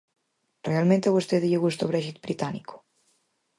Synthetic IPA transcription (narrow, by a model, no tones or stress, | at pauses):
realˠmẽnt̪eβost̪eðieɣust̪oβɾɛʒit̪̚bɾit̪aniko̥